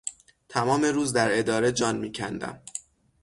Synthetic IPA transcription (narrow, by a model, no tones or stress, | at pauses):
t̪ʰæmɒːme̞ɾuːzd̪æɾe̞d̪ɒːɾe̞d͡ʒɒːnmiːcʰænd̪æ̰m